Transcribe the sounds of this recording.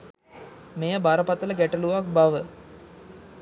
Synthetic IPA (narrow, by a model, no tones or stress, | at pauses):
mejəbaɾəpat̪ələɡæʈəluʋak̚baʋə